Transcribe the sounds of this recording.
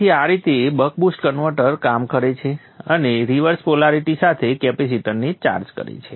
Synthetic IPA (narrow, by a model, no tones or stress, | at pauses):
iaɾit̪eːbək̚busʈkənʋəɾʈəɾkamkəɾet͡ʃʰe | əneɾiʋəɾspolaɾiʈisat̪ʰekɛpes̬iʈənnit͡ʃa̰ɾd͡ʒkə̰ɾḛt͡ʃʰe